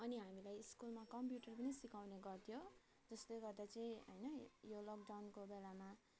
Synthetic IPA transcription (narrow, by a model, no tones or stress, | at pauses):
ʌniɦamilajiskulmakʌmpjuʈʌrpʌnisikawneɡʌrt̪ʰijo | d͡zʌsleɡʌrd̪at͡sʌĩɦʌjnʌjolok̚ɖawnkobelama